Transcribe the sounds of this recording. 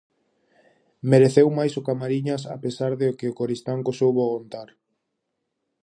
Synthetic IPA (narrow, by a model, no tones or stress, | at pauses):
meɾeθewmajsokamaɾiɲasa̰pesaɾðeokɪokoɾist̪aŋkosowβoɣont̪aɾ